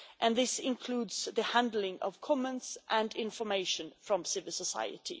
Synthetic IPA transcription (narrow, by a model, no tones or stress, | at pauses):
ʔɨ̃nðɪsɪ̃nkʰl̥uːdz̥ðəhæ̃ndl̩ɪ̃ŋʔʌ̰v̥kʰɔmɛ̃ntsʔɨ̃ndɪ̃nfəmeɪʃɨ̃nfɹʌ̃msɪvəlˠsəsa̰ɪɨ̰tʰḭ